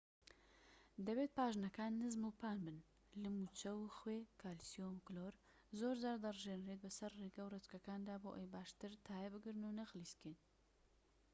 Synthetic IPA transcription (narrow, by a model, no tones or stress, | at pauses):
d̪ɐbeːt̪̚paːʒnɐkaːnːɨzmupʰaːnbɨn | lɨmut͡ʃɐwxweːkʰaːlsijonukloːɾ | zoːɾzaːɾd̪ɐrʒeːnɾet̪̚bɐsɐɾreɡɐwret̪kɐkaːnd̪aːboːʔejbaːʃt̪ɨɾt̪ʰaːjɛbɨɡɨɾnunɐɣliskeːn